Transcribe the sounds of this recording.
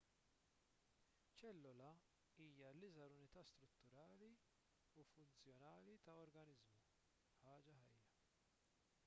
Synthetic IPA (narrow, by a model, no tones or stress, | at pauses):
t͡ʃɛlːɔlɐ | iːjɐlɪzɐɾʊnɪt̪ɐːst̪ɾʊt̪ːʊɾɐːli | ufʊnt͡sjɔnɐːlit̪ɐɔɾɡɐnɪzmu | ħɐːd͡ʒɐɦɐjːɐ